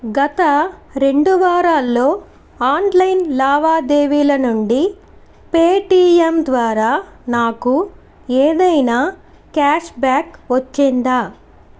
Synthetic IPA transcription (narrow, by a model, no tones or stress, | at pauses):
ɡɐt̪ɐɾe̞ɳɖuʋaːɾaːlːo̞ː | aːnlɐjnlaːʋaːd̪e̞ːʋiːlɐnuɳɖi | peːʈiːemd̪ʋaːɾaːnaːku | eːd̪ɐjnaː | kaːʂbaːkʋɐt͡ʃːind̪aː